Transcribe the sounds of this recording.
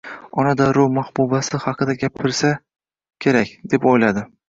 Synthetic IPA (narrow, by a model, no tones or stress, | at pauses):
ɒnad̪aɾʊwmahbubasɪhɑqʰɨd̪aɡʲapʰɪɾsa | kʲʰe̞ɾakʲd̪e̞pojlad̪ɪ